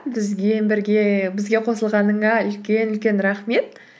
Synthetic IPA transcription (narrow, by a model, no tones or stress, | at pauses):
bɪzɡʲebɪɾɡʲebɪzɡʲe̞qʰo̞səlˠʁɑnəɴɑʏlkʲe̞nʏlkʲe̞nɾɑχme̞t̪